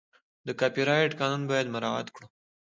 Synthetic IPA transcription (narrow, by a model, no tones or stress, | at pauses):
d̪əkapiɾɑɪʈkɑnunbɑjad̪maɾɑa̰t̪kɽu